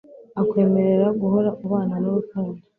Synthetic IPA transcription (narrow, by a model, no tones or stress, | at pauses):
akwe̞ːme̞ɾe̞ɾaɡuɦo̞ɾaʔuβaːnanoβutuːndi̥